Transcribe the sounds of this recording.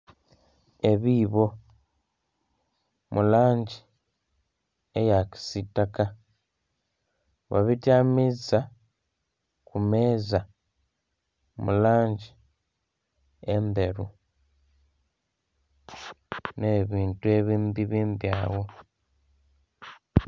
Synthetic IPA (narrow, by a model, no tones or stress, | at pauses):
e̞βiːβo̞ | mulaːɲɟi | ejaki̥sitaka | βa̰βitjamiza | kume̞ːza | mṵlaːɲɟi | embe̞ɾu | neβiːntue̞βiːmbiβiːmbjaːwo̞